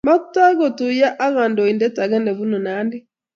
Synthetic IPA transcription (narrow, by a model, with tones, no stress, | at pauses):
ma˦tːa˦ɣo˨tu˨ja˦ʔa˦ɣa˨ndo˨i˨ndɛ˦ta˨ɣɛ˦nɛ˨βu˦nɔ˨na˨˦ndi˦